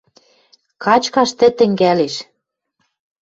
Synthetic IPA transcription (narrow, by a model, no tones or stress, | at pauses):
kɑt͡ɕkɑʃt̪ɘ̆t̪ɘ̆ŋɡæleʃ